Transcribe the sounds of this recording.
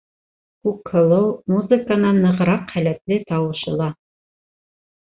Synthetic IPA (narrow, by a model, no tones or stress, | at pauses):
kʉkhɤ̆lˠɤwmuzɨkənɑnːɤ̆ʁ̆ɾɑqχælæt̪lɘt̪ɑwɤ̆ʃɤ̆lˠɑ